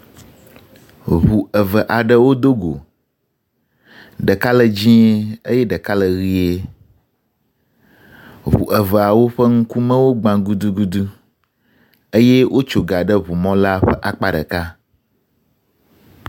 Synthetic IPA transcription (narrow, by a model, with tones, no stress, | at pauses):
βu˨ə˨və˨ʔa˨ɖə˨wo˦d̪o˦ɡo̰˨ | ɖə˨ka˦lə˨d͡ʑĩ˦e˦ə˦jɛ˦ɖə˨ka˦lə˨ɣi˦e˦ | βṵ˨ʔə˨və˨a˨wo˦ɸə˦ŋ̩˦ku˦mə̃˦wo˦ɡ͡bã˨ɡu˦d̪u˦ɡu˦d̪u˦ | ə˦je˦wʔo˦t͡ʃo˨ɡa˨ɖə˦βu˨mɔ̃˦la˦ɸə˦ʔa˦k͡pa˦ɖə̰˨ka˦